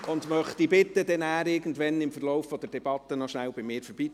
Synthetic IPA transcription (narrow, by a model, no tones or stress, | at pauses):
ʊndmœχtibɪtːədɛnæːɾɪɾɡən̩dʋɛnɪmfərlɔʊfːɔd̥̪əɾd̥ɛbɑtənɔʃnæwbɪmɪːɾfəɾb̥iː